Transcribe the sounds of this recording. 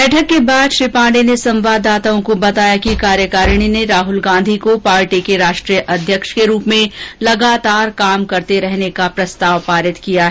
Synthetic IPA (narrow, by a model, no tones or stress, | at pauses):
bɛːʈʰəkːebaːd̪ʃɾɪpãːɳɖenesɐ̃mʋaːd̪aːt̪aõkobɐt̪aːjakikaːɾjəkaːɾɽ̃ineɾaːɦʊlɡãːnd̪ʱikopaːɾʈikeɾaːʃʈɾijəʔɐd̪ʱjəkʃkeɾuːpmẽlɐɡaːt̪aːɾkaːmkɐɾt̪eɾɛɦnekapɾɐst̪aːʋpaːɾɪt̪kijaɦ